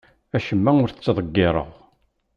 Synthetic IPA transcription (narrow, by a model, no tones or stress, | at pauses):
æʃəmːæʊɾθət͡sːðˤəɡːɪɾˤə̰ʁ